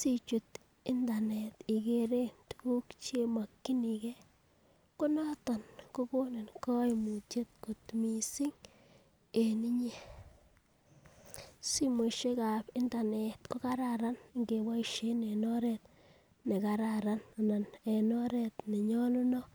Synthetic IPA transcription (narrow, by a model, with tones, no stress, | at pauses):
si˨t͡ʃu˨t̪ | ɪ˦nda˨ne˨t̪i˨ke˨ɾe˦ntu̥ku˦kt͡ʃe˦ma˨kːi˦ni˨ke˦ | kʊ˦nɔ˦tɔ˨nko˦ko˦ne˨nkɔ˦jmu˨te˦t̪̚ku˨tmi˨si˦ŋ | e˨ni˦ɲe˦ | si˦mo˨ʃe˦ka˨pɪ˦nda˨ne˨t̪ko˦ka˦ɾaɾa˦n˨ŋɡe˨wa˦˨ʃe˦ne˨nɔ˦ɾɛ˨t̪ | ne˨ka˨ɾaɾa˦n˨na˨ne˨nɔ˦ɾɛ˨t̪ne˨ɲɔ˦lʊ˦nɔ˦